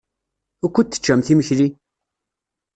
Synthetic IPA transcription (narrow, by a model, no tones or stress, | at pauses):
ækʷːət̪ːə̥t͡ʃːæmθiməçli